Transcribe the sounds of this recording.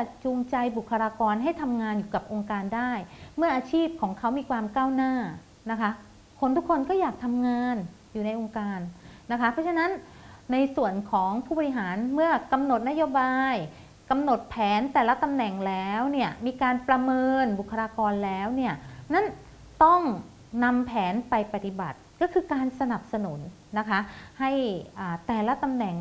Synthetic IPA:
a˨˩t͡ɕuː˧ŋt͡ɕa˧jbu˨˩kʰːa˧ɾaː˧kɔː˧nɦa˥˩jt̪ʰa˧mŋaː˧njuː˨˩ka˨˩p̚ʔo˧ŋkaː˧ndaː˥˩jmɯ˥˩ɐʔaː˧t͡ɕʰiː˥˩p̚kʰɔː˩˦ŋkʰa˦˥wmiː˧kʰwaː˧mkaː˥˩wnaː˥˩ | na˦˥kʰa˦˥ | kʰo˧nt̪ʰu˦˥kʰːo˧nkɔː˥˩jaː˨˩k̚t̪ʰa˧mŋaː˧n | juː˨˩na˧jʔo˧ŋkaː˧nː | a˦˥kʰa˦˥pʰɾɔ˦˥t͡ɕʰa˥˧na˦˥nː | a˧jsu˨˩ənkʰɔː˩˦ŋpʰuː˥˩bɔː˧ɾi˧˥ɦaː˩˦nmɯ˥˩ɐka˧mno˨˩t̪̚na˦˥joː˧baː˧j | ka˧mno˨˩t̪̚pʰɛː˩˦nt̪ɛː˨˩la˦˥t̪a˧mnɛ˨˩ŋlɛː˦˥wni˥˩ɐmiː˧kaː˧npɾa˧mɤː˧nbu˨˩kʰːa˧ɾaː˧kɔː˧nlɛː˦˥wni˥˩ɐna˦˥˩n | t̪ɔ˥˩ŋ | na˧mpʰɛː˩˦npa˧jpa˧˩t̪i˨˩ba̰˨˩t̪̚kɔː˥˩kʰɯː˧kaː˧nsa˧na˨˩p̚sa˧nu˩˦nː | a˦˥kʰa˦˥ha˥˩jʔaː˨˩t̪ɛː˨˩la˦˥t̪a˧mnɛ˨˩ŋ

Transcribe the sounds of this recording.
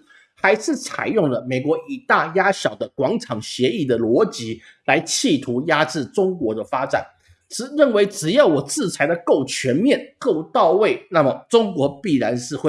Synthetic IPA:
xa˧˥ɪʂɻ̩˥˩t͡sʰa̰˨˩ɪjʊ˥˩ŋlə˩me˨˩ɪkwɔ˧˥ʔi˨˩t̪a˥˩ja˥ɕjɑ˨˩ʊd̪ə˦kwɑ˧˥ŋʈ͡ʂʰɑ˨˩ŋɕjɛ˧˥i˥˩d̪ə˩lwɔ˧˥t͡ɕi˧˥ | la˧˥ɪt͡ɕʰi˥˩t̪ʰu˧˥ja˥ʈ͡ʂɻ̩˥˩ʈ͡ʂʊ˥ŋkwɔ˧˥d̪ə˧fa˥ʈ͡ʂa̰˨˩˦n | ʈ͡ʂɻ̩˧˥ɻə˥˩nwe˧˥ɪʈ͡ʂɻ̩˨˩jɑ˥˩ʊwɔ˨˩t͡sɹ̩˥˩t͡sʰa˧˥ɪd̪ə˧ko˥˩ʊt͡ɕʰɥɛ˧˥nmjɛ˥˨nko˥˧ʊt̪ɑ˥˧ʊwe˥˩ɪna˥˩mə˩ʈ͡ʂʊ˥ŋkwɔ˧˥pi˥˩ɻa˧˥nʂɻ̩˥˧xw

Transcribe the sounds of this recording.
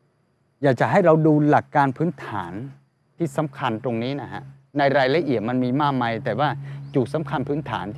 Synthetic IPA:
jaː˨˩k̚t͡ɕa˨˩ɦa˥˩jɾa˧wduː˧la˨˩kːaː˧npʰɯː˦˥nt̪ʰaː˩˦n | t̪ʰiː˥˩sa˩˦mkʰa˧nt̪ɾo˧ŋniː˦˥na˦˥kʰa̰˦˥ʔ | na˧jɾaː˧jla˧ʔi˨˩ət̪̚ma˧nmiː˧maː˥˩k̚maː˧jt̪ɛː˨˩waː˥˩t͡ɕuː˨˩sa˩˦mkʰa˧npʰɯː˦˥nt̪ʰa̰ː˩˦nt̪ʰ

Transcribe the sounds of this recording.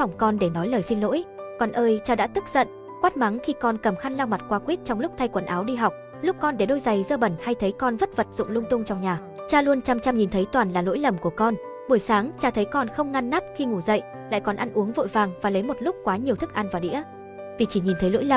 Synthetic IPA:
fɔ˧˩wŋ͡mkɔ˧nɗe˧˩nɔ˨˦jləː˨˩jsi˧nlo̰˧˥jkɔ˨˩nʔəː˧jt͡ɕaː˧ɗa̰ː˧˥t̪ɨ˦˥k̚z̥ə̰˧˨n | kwaː˦˥t̚ma˨˦ŋxi˧kɔ˧nkə˨˩mxa˧nlaː˧wma˨˩t̚kwaː˨˦kwi˦˥t̚t͡ɕɔ˧wŋ͡mlʊ˦˥k͡p̚t̪ʰa˧jkwə˨˩nʔaː˨˦wɗi˧ɦa˨˩wk͡p̚ | lʊ˦˥k͡p̚kɔ˧nɗe˧˩ɗo˧jza˨˩jzəː˧ɓə˧˩nha˧jt̪ʰə˨˦jkɔ˧nvə˦˥t̚və˨˩t̚zʊ̰˧˨ŋ͡mlʊ˧ŋ͡mt̪ʊ˧ŋ͡mt͡ɕɔ˧wŋ͡mɲaː˨˩ | t͡ɕaː˧lu˧ənt͡ɕaː˧mt͡ɕa˧mɲi˨˩nt̪ʰə˨˦jt̪waː˨˩nlaː˨˩lo̰˧˥jlə˨˩mku˧˩əkɔ˧n | ɓu˧˩əjsaː˨˦ŋt͡ɕaː˧t̪ʰə˨˦jkɔ˧nxə˧wŋ͡mŋa˧nːa˦˥p̚xi˧ŋu˧˩zə̰˧˨j | la̰ː˧˨jkɔ˨˩nʔa˧nʔu˨˦əŋvo̰˧˨jvaː˨˩ŋvaː˨˩lə˨˦jmo˨˩t̚lʊ˦˥k͡p̚kːwaː˨˦ɲi˨˩əwt̪ʰɨ˦˥k̚ʔa˧nvaː˨˩wɗḭ˧˥ə | vi˨˩t͡ɕi˧˩ɲi˨˩nt̪ʰə˨˦lo̰˧˥jlə˨˩

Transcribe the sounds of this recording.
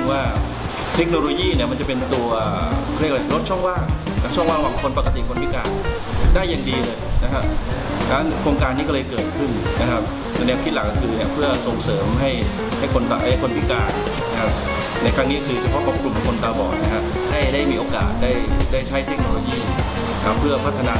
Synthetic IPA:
waː˥˩ | t̪ʰe˦˥k̚noː˧loː˧jiː˥˩ni˥˩ɐma˧nt͡ɕa˨˩pe˧nt̪u˧ɐʔʰ | lk̚a˧ɾo˦˥t̪̚t͡ɕʰɔ˥˩ŋwaː˥˩ŋ | a˦˥t͡ɕʰɔ˥˩ŋwaː˥˩ŋwaː˥˩pkʰo˧npa˨˩ka˧t̪i˨˩kʰo˧npʰi˦˥˩kaː˧n | daː˥˩jːa˨˩ŋdiː˧lɤː˧jna˦˥kʰa˦˥p̚ | t̪ʰaː˧na˥nkʰɾoː˧ŋkaː˧nːiː˦˥k̬ɔ˥˩lɤː˧jkɤː˨˩t̪̚kʰɯ˥˩nna˦˥kʰa˦˥p̪̚u˧nɛː˧wt̪ʰi˦˥˩la˨˩k̚ːɔ˥˩kʰɯː˧ni˥˩ɐpʰɯ˥˩ɐso˨˧ŋsɤː˩˦mɦa˥˩j | ha˥˩jkʰo˧nt̪a˧ʔa˥˩kʰo˧npʰi˦˥˩kaː˧n | na˦˥kʰa˦˥p̚ | na˧˩kʰɾa˦˥ŋniː˦˥kʰɯː˧t͡ɕʰa˨˩pʰɔ˦˥˩kʰo˨˩p̚kʰɾu˨˧mk̪ʰɔ˨˩˦ŋkʰo˧nt̪aː˧bɔ̰ː˨˩k̚na˦˥kʰa˦˥p̚ | ha˥˩jdaː˥˩jmiː˧ʔoː˧ka̰ː˨˩t̪̚daː˥˩jdaː˥˩jt͡ɕʰa˦˥jt̪ʰe˦˥k̚noː˧loː˧jiː˥˩˥ | kʰa˦˥pʰːɯ˥˩ɐpʰa˦˥t̪ʰːa˧naː˧

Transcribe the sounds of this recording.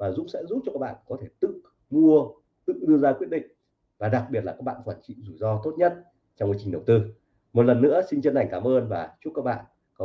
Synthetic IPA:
vaː˨˩zʊ̰˧˥ŋ͡msɛ̰˧˥zu˦˥t͡ɕɔ˧kaː˦˥k̚ɓa̰ː˧˨kɔ˨˦t̪ʰe˧˩t̪ɨ̰˧˨ | mu˧ə | t̪ɨ̰˧˨ɗɨ˧əzaː˧kwi˦˥əɗḭ̈˧˨ŋ̟ | vaː˨˩ɗa˨˩k̚ɓi˨˩ət̚laː˨˩aː˦˥k̚ɓa̰ː˧˨nkwaː˧˩nt͡ɕḭ˧˨zu˧˩jzɔ˧t̪o˦˥t̚ɲə˦˥t̚ | t͡ɕɔ˧wŋ͡mʔiː˨˧˦t͡ɕï˨˩ŋɗə˨˩wt̪ɨ˧ | mo˨˩t̚lə˨˩nːɨ̰˧˥əsi˧n̟t͡ɕə˧na˨˩jŋ̟kaː˨˦mʔəː˧nvaː˨˩t͡ɕu˦˥kaː˦˥k̚ɓa̰ː˧˨n | kɔ˨˦

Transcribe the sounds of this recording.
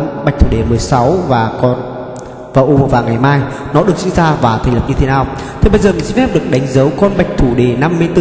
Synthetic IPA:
ɓjk̟t̪ʰu˧˩ɗe˨˩mɨ˨˩əjsa˨˦wvaː˨˩kɔ˧n | vaː˨˩ʔo˧vaː˨˩ŋa˨˩jmaː˧j | nɔ˨˦ɗɨ˨˩ək̚sḭ˧˥ŋzaː˧vaː˨˩t̪ʰə˨˩lə˨˩p̚ɲɨ˧t̪e˨˦naː˨˩w | t̪ʰe˨˩ɓə˧jzəː˨˩mi˨˩si˧ŋfɛ˦˥p̚ɗɨ˨˩ək̚ɗa˨˦jŋ̟zə˨˦wkɔ˧nɓa˨˩jk̟̚t̪ʰu˧˩ɗe˧˩na˧mːɨ˧jt̪ɨ˧

